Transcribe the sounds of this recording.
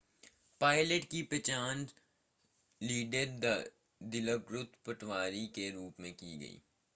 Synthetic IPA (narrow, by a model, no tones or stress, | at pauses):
paːɪləʈkipet͡ʃaːn | liːɖəɾ | d̪ɪləbɾʊt̪pɐʈʋaːɾikeɾuːpmẽkiɡɐ̰ḭː